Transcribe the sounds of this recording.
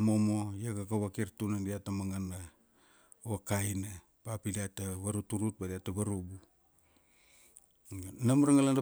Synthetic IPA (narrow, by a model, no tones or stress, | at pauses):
momojakakaβakirtunandiatamaŋana | wakajna | papidiataβaɾutuɾut̚badiatːaβaɾubu | namuɾaŋalanda